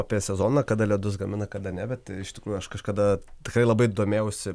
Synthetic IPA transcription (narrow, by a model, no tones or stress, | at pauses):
ɑːpʲiɛsʲɛzoːnɐkɐd̪ɐlʲiɛd̪ʊs̬ɡɐmʲɪnɐkɐd̪ɐnʲɛbʲɛt̪t̪ʲɪɪʃt̪ʲɪ̥kɾuːjʊɐʃkɐʃkɐd̪ɐt̪ʲɪkɾɐɪlˠɐbɐɪd̪oːmʲeːʊsʲɪ